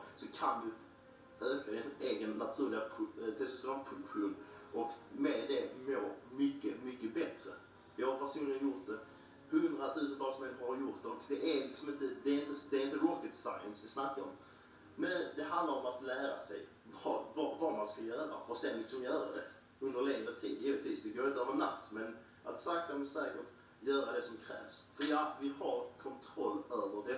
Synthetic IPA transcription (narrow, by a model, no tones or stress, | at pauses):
sɔkʰand̪ɪ | øːkaɛnleːɡənːat̪ʰʉːɾlɪɡapʰt̪ʰɪlssɔampʰpɧʰlɵnʔɔkmɛd̪ɛmoːmʏkːəmʏkːəbɛt̪ɾə̰ | vɪhaɾpʰæɾʂuːnlɪənjʊɾt̪̚d̪ɛ | hɵnd̪ɾat̪ʰʉ̟ːs̬ənt̪ʰɑːlsmɛnmhaɾjʊɾt̪̚d̪ɛɔkd̪ɛʔæɾlɪksɔmɪnt̪əd̪ɛːɾɪnt̪əd̪ɛːɾɪnt̪əɾɔkːət̪sa̰jənsvɪsnakːaɔ̰m | mɛnd̪ɛɦand̪laɾɔmat̪læːɾa̰sɛj | vɑvɑvɑmanskaljœːɾa̰ɔsɛnlɪksɔmjœːɾa̰d̪ɛ̰ | ɵnd̪əɾleːŋvət̪ʰḭːd̪jiːvɪt̪ʰviːsvɪɡoːɾɪnt̪əœːvəna̰t̪ːmɛn | ʔat̪sak̚t̪amɛsɛːkəʈ | jœːɾad̪ɛsɔmkʰɾɛ̰ːvsfəɾjavɪhaɾkʰɔnt̪ʰɾɔlːøːvədɛ